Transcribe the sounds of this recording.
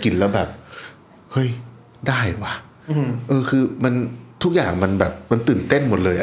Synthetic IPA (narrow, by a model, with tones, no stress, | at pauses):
ki˧˩nlɛː˦˥wbɛː˨˩p̚ | hɤ˦˥˩j | daː˥˩jwa˦˥˩ | ʔɤː˧kʰɯː˧ma˧nt̪ʰu˦˥k̚jaː˨˩ŋma˧nbɛː˨˩p̚ma˧nt̪ɯː˨˩nt̪e˥˩nmo˨˩t̪̚lɤː˧jʔ